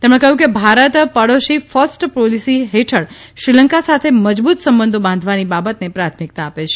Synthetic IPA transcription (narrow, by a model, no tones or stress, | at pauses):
t̪emɽ̃ẽkəɦjũkebʱaɾət̪pəɽoʃifəɾsʈpɾolisiɦeʈʰəɽʃɾiləŋkasat̪ʰeməd͡ʒbut̪səmbə̃nd̪ʱobãnd̪ʱʋanibabət̪nepɾat̪ʰmik̚t̪aːpet͡ʃʰ